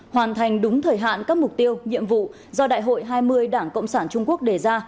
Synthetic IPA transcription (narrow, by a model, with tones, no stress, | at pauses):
hwaː˨˩nt̪ʰa˨˩jŋ̟ɗʊ˨˦ŋ͡mt̪ʰəː˨˩jɦa̰ː˧˨nkaː˦˥k̚mʊ˨˩k͡p̚t̪i˧əwɲḭ˧˨əmvṵ˧˨ | zɔ˧ɗa̰ː˧˨jɦo̰˧˨jɦaː˧jmɨ˧əjɗaː˧˩ŋkə̰˧˨wŋ͡msaː˧˩nt͡ɕʊ˧ŋ͡mku˦˥ək̚ɗe˧˩zaː˧